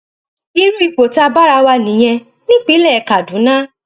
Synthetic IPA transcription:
i˧ɾu˦i˨k͡po˨ta˧ba˦ɾa˧wa˧nĩ˨˦j̃ɛ̃˧ | nĩ˦k͡pi˨˦lɛ˦˨˦ka˨dũ˨˦nã˦

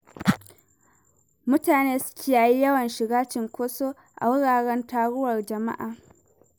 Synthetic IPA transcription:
mʊ˦taː˨neː˦sʊ̥˦kʲi˨jaː˨ji˦jɐ˦wɐ˨nʃɪ˨ɡaː˦t͡ʃɪ˨ŋkʷoː˦soː˦ | ʔa̰˨wʊ˦ɽaː˨ɽɛ˦ntaː˨ɽʊ˦wɐ˨rd͡ʒɐ˨ma̰˦ʔaː˨

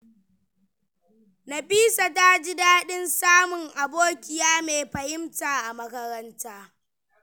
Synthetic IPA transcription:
na˨ɸiː˦sa˨ta˦d͡ʒɪ˦daː˦ɗɪ˦nsaː˦mʊ˨ŋʔa˨boː˦kʲɪ˨jaː˦meː˨ɸɐ˨jɪ˦mtaː˨ʔa˨mɐ˦kɐ˦ɾɐ˦ntaː˦

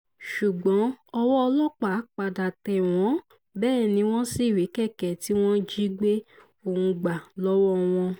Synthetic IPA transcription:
ʃu˨ɡ͡bɔ̃˨˦ɔ˧wɔ˦ɔ˧lɔ˦k͡pa˨˦k͡pa˨da˨tɛ˨w̃ɔ̃˨˦ | bɛː˦˨nĩ˧˦w̃ɔ̃˦si˦˨wi˨˦kɛ˦˨kɛ˨ti˨˦w̃ɔ̃˦d͡ʒi˦ɡ͡be˦ | o˨hũ˧ɡ͡ba˨lɔ˦wɔ˦w̃ɔ̃˧

